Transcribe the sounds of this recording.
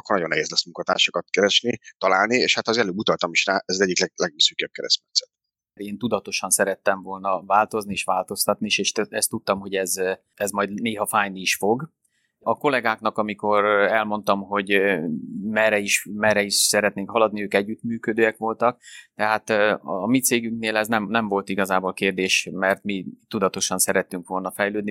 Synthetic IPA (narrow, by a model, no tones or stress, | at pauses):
kornɒɟonːɛ̰ɦeːzlɛsmuŋkɒt̪a̰ːʃokɒt̪kɛɾɛʃnit̪ɒlaːlnieːʃhat̪ɒzɛløːbut̪ɒlt̪ɒmiʃraːʔɛzɒzɛɟːiklɛɡlɛɡisykjøb̚kɛɾɛsmɛt̪sɛ̥t̪̚ | ɾeːnt̪ud̪ɒt̪o̞ʃɒnsɛɾɛt̪ːɛɱvolnɒvaːlt̪o̞znieːʃʋaːlt̪o̞st̪ɒt̪niiʃeːʃt̪ɛst̪ːut̪ːɒmho̞ɟɛz | ɛzmɒjd̪neːɦɒfaːjniːʃfo̞ɡ | ɒko̞lɛɡaːkn̪ɒkɒmiko̞ɾɛlmo̞n̪t̪ɒmɦo̞ɟ | mɛɾɛiʃmɛɾɛiʃsɛɾɛt̪neːŋkhɒlɒd̪niøːkɛɟːyt̪myːkød̪øːɛkʋo̞lt̪ɒk̚t̪ɛɦaːt̪ːmit̪seːɡyŋk̚neːlɛznɛmnɛɱvo̞lt̪iɡɒzaːbolkeːrd̪eːʃmɛrt̪mit̪ud̪ɒt̪o̞ʃɒnsɛɾɛt̪ːyŋkʋo̞lnɒfɛjløːd̪ni